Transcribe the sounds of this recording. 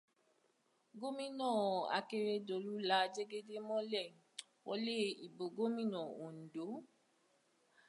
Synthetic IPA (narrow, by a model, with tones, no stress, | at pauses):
ɡo˦mĩ˦nɔ̃˦˨a̰˨ke˧ɾe˦do˨lu˦la˨˦d͡ʒe˦ɡe˦de˦mɔ̃˦lɛ˦˨ | wɔ̰˧˦le˦˨i˨bo˨ɡo˦mĩ˦nɔ̃˨o˨n̩˨do˨˦